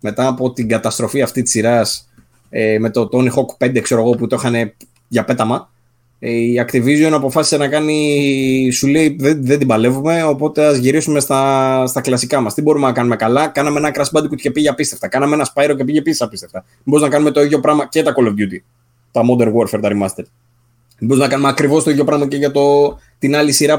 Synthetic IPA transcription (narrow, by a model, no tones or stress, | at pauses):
me̞t̪ɐːpo̞t̪iɡɐt̪ɐst̪ɾo̞fiɐft̪it̪i̥siɾɐs | eme̞t̪o̞t̪o̞nixo̞kpe̞nd̪ekse̞ɾo̞ɣo̞put̪oxɐne̞ | ʝɐpe̞t̪ɐmɐ | iɐkt̪ivizionɐpo̞fɐsi̥senɐkɐni | suleiðeðe̞nd̪ibɐle̞vume̞o̞po̞t̪e̞ɐzʝiɾisume̞st̪ɐst̪ɐklɐsikɐmɐst̪ibo̞ɾumenɐkɐnume̞kɐlɐkɐnɐme̞enɐkɾɐsbɐd̪ikut̪ce̞piʝeɐpist̪e̞ft̪ɐkɐnɐmeenɐspɐjɾocepiʝe̞pisisɐpist̪e̞ft̪ɐ | mboɾiznɐkɐnume̞t̪o̞iðʝo̞pɾɐmɐcet̪ɐkolevd̪jut̪i | t̪ɐmo̞d̪e̞ɾɣo̞ɾfeɾt̪ɐɾimɐst̪eɾ | boɾiznɐkɐnumeɐkɾivo̞st̪oiðʝo̞pɾɐmɐce̞ʝɐt̪o̞ | t̪inɐlisiɾɐ